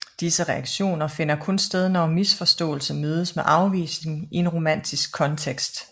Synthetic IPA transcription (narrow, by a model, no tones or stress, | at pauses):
d̥isəʁɛɑ̈ɡ̥ɕo̝̰ːnɐfe̝n̰ɐkʰɔ̽nsd̥eð̞ˠnɒmisfɒ̽sd̥ɔ̰̽ːl̩səmøːð̞ˠəsmeʔɑ̈ʊʋḭːsne̝ŋie̝nʁo̝mæn̰d̥ʰisɡ̥̚kʰːɒ̽nt͡sʰeɡ̥sd̥